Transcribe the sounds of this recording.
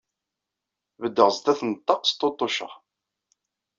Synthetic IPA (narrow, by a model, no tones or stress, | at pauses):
vəd̪ːəʁzt̪æθənət̪ˤːɑqst̪ːot̪ˤːoʃə̰ʁ